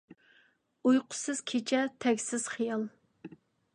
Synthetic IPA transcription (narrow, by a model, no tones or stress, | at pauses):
ujqʰʊ̥sɨz̥kʲʰet͡ʃʰɛt̪ʰɛkʲsɪz̥χijɑlˠ